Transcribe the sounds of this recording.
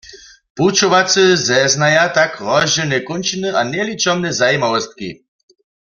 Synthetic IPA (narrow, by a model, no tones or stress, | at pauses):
put͡ʃɔʋat͡sɨzɛznajat̪akʁɔʒɛnɛkɔnt͡ʃinɨʔanɛlit͡ʃɔmnɛzajimawɔst̪̚kḭ